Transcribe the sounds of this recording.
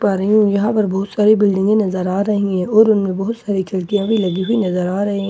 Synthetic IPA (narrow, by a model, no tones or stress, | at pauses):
paːɾəɦiũjɐɦãpɐɾbɔɦʊt̪saːɾibɪlɖɪ̃ŋɡẽnɐzəɾaːɾɐɦĩɛ̃ɔːɾʊnmẽbɐɦʊt̪saːɾikʰɐɾkijãʋilɐɡiɦʊinɐzəɾaːɾɐɦiɦɛ̃